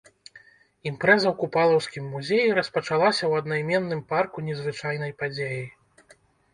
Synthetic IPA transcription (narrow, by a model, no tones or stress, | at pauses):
impɾɛzɐwkupalˠɐwskʲimːuzʲejiɾɐspɐt͡ʂalˠasʲɐwɐd̪najmʲɛnːɨmparkunʲɛzvɨt͡ʂajn̪ɐjpad͡zʲeji